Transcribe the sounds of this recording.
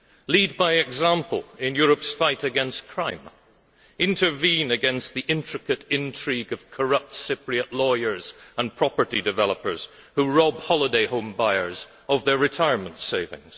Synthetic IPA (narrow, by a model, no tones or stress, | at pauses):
lid̚baɪɨɡzæ̃mpəl̩ˠɪ̃njʊɹɨpsfaɪɾɨɡɛ̃nstkʰɹ̥ãɪ̃m | ɪ̃ntʰə˞vĩnɨɡɛ̃nst̪̚ðiʔɪ̃ntɹ̥ɨkɨɾɪ̃ntʰɹ̥iɡʌv̥kʰə˞ʌp̚tsɪpɹiɨʔlɔɪə˞zə̃npʰɹ̥ɑpə˞ɾidɨvɛlˠəpə˞z̥ | huɹɔb̚hɑlˠədeɪhõmbaɪə˞z | ʌvðə˞ɹɨtʰaɪəɹmə̃ntseɹvɪ̰̃ŋz̥